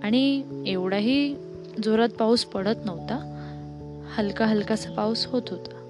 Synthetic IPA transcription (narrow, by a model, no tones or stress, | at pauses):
aɽ̃ieʋɽaɦiː | d͡zoɾat̪̚pawspəɽ̤ət̪nəʋt̪a | həlkaɦəlkat͡sapawshot̪ɦot̪ḁ